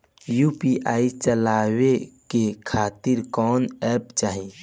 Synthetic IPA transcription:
jupiʔaːit͡ʃəlaːwekekʰaːt̪ɪɾkɔːnɛːɾpt͡ʃaːɦi

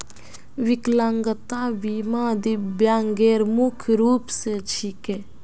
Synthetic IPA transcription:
ʋɪklãŋɡət̪aːbiːmãːd̪ibjãːŋɡeːɾmukʰɾuːpset͡ʃʰikeː

